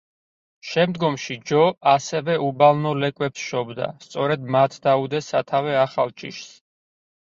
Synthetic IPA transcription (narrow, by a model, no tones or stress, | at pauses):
ʃɛmd̪ɡɔmʃid͡ʒɔasɛvɛubalˠnɔlɛkʼwɛpsʃɔbd̪a̰st̪sʼɔɾɛd̪mat̪ʰd̪aud̪ɛsat̪ʰavɛaχalˠt͡ʃʼḭʃs